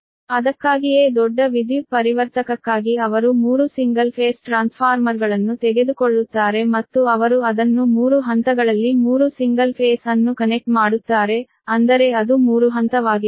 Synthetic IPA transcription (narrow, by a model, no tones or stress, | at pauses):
ɐd̪ɐkːaːɡijeːd̪ɔɖːɐʋid̪jupɐɾiʋɐɾt̪ɐkɐkːaːɡiɐʋɐɾumuːɾusiŋɡɐlpʰeːsʈɾaːnspʰaːɾmɐɾɡɐɭɐnːut̪ɛɡe̞d̪ukoɭːut̪ːaːɾe̞mɐt̪ːuɐʋɐɾuɐd̪ɐnːumuːɾuɦɐnt̪ɐɡɐɭɐlːimuːɾusiŋɡɐlpʰeːsɐnːukɐnek̚ʈmaːɽut̪ːaːɾe̞ | ɐnd̪ɐɾe̞ɐd̪umuːɾuɦɐnt̪ɐʋaːɡi